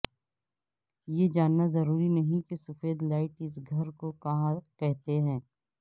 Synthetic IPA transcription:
jed͡ʒaːnːazɐɾuːɾinɐɦĩkesʊfeːd̪laːɪʈɪs̬ɡʱɐɾkokɐɦãkɛɦt̪eɦɛ̃ː

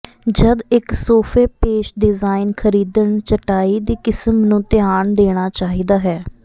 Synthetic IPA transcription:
d͡ʒəd̪ɪksoːpʰeːpeːʃɖɪzaːɪnkʰəɾiːd̪əɳt͡ʃəʈaːiːd̪iːkɪsəmnũːt̪ɪaːɳd̪eːɽ̃aːt͡ʃaːɦiːd̪aːɦɛː

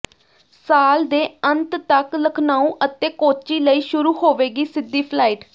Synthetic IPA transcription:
saːld̪eːənt̪t̪əkləkʰnaːũːʔət̪eːkoːt͡ʃiːləiːʃʊɾuːɦoːʋeːɡiːsɪd̪ːiːpʰlaːiːʈ

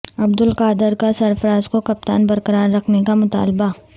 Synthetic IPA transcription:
ɐbd̪ɪlqaːd̪ɪɾkasɐɾfəɾaːzkokɐp̚t̪a̰ːnbɐɾkəɾaːɾɾɐkʰnekamʊt̪a̰ːlba

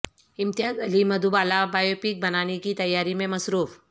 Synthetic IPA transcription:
ɪmt̪ɪjaːzɐlimɐd̪ubaːlabaːjoːpiːk̚bɐnaːnekit̪ɐjːaːɾimẽmɐsɾuːf

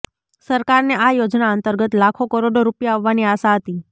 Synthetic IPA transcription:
səɾkaɾneʔajod͡ʒnaənt̪əɾɡət̪lakʰokəɾoɖoɾupjaaʋːaniaʃaɦət̪i

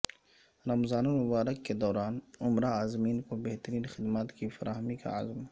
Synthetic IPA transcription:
ɾɐmzaːnomʊbaːɾəkːed̪ɔːɾaːnʊmɾaːzmiːnkobeht̪əɾiːnxɪd̪maːt̪kifɐɾʔaːɦmika̰a̰zm

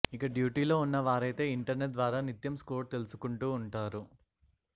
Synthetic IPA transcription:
ikɐɖjuːʈiːlo̞ːunːɐʋaːɾɐjt̪e̞ːiɳʈɐɾneʈ̚d̪ʋaːɾaːnit̪jɐmskoːɾt̪e̞lusu̥kuɳʈuːɳʈaːɾu

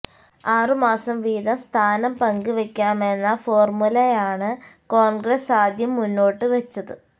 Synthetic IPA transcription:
aːrɨmaːsɐmʋiːðɐst̪ʰaːnɐmpɐŋɡɨʋekʲːaːme̞nːɐfo̞ːrmulɐjaːɳɨkoːɳɡɾesaːd̪ʱjɐmːunːo̞ːʈːɨʋet͡ɕːɐðɨ

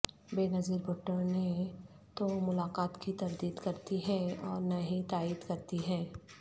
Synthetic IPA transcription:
beːnɐziːɾbʱʊʈːəɾne | t̪omʊlaːqaːt̪kit̪ɐɾd̪iːd̪kɐɾt̪iɦɛ̃ɔːɾnɐɦĩt̪aːiːd̪kɐɾt̪iɦɛ̃ː

